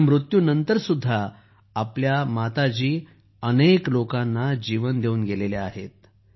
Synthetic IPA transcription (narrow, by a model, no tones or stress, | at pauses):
mɾut̪juːnənt̪əɾsud̪ʱːaː | pljamat̪at͡ɕiː | əneklokanːad͡ʑiʋənd̪euːnɡeleleaɦet̪̚